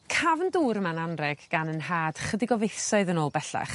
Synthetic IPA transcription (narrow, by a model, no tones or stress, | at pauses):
kʰavənduːɾmananrɛɡ̥ɡ̥anənɦaːd̥χədɪɡɔvejθɔɨðənoːlˠbɛɬa̰χ